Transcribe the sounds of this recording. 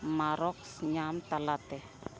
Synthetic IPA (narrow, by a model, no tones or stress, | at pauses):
maɾɔksɲamt̪alat̪ɛ